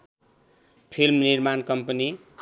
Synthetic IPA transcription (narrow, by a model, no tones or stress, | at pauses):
pʰilmnirmankʌmpʌni